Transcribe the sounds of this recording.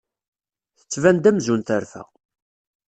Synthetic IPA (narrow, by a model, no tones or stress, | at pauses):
θə̥t͡sːvænd̪æmzunθəɾfæ̰